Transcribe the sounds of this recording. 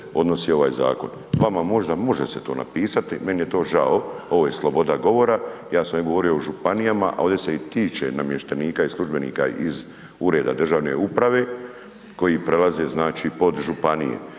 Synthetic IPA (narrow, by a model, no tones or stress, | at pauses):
o̞d̪no̞sio̞ʋaːjza̰ːko̞̰n | ʋamamo̞ʒd̪amo̞ʒeset̪o̞̰ːna̰piːsat̪ime̞nije̞t̪o̞ːʒaoo̞ʋo̞ːje̞slˠobo̞d̪aɡo̞ʋo̞ɾajaːsamjeɡo̞ʋo̞ɾio̞oʒupanijamaʔa̰o̞ːd̪eseit̪iːt͡ʃe̞̰namjeʃt̪aniːkaislˠuʒbenḭːka̰iz | uɾe̞ːd̪a̰d̪r̩ʒaʋne̞̰upɾaʋe̞ | ko̞jipɾe̞laze̞znaːt͡ʃipo̞d̪ʒupanijḛ